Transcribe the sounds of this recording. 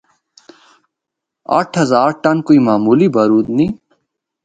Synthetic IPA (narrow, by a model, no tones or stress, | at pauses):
a̰ʈʰɦəzaːɾʈənkoːiːmaːmuːlibəɾuːd̪nĩː